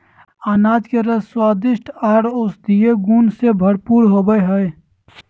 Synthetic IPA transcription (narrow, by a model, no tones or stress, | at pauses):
aːnaːd͡ʒ̪keɾəswaːd̪ɪʃʈaːɾoːsd̪ieɡuːnsebʱɐɽpuːɾɦoːɡəeɦəe